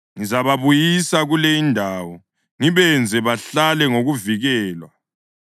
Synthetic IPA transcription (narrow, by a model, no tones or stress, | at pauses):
ŋizaβaβujisaɣulejindʱaːwɔ | ŋiβɛnd͡zʱɛβaɬalɛŋoɣuviɣɛːlwa